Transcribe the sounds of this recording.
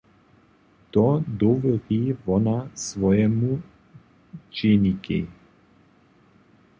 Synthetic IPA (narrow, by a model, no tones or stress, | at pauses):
t̪ɔd̪ɔvɛd̪ivɔnasvɔjɛmu | t͡ʃɛnikɛ̰